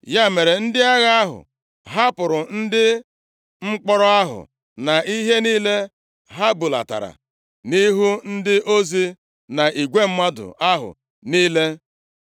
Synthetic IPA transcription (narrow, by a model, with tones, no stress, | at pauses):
ja˦me˨ɾe˨n̩˦dɪ˦a˦ɣa˦a˦ɦʊ̰˨ | ɦa˦pʊ˨ɾʊ˨n̩˦dɪ˦ | ŋ͡m̩˦k͡pɔ˦ɾɔ˦a˦ɦʊ̰˨ | na˨i˦ɦe˦niː˦le˦ | ɦa˦bu˨la̰˨ta̰˨ɾa̰˨ | ni˦ɦu˦n̩˦dɪ˦ʔo˦zi˦ | na˨ʔi˨ɡʷe˦m̩˦ma˦dʊ̰˨a˦ɦʊ̰˨ | niː˦le˦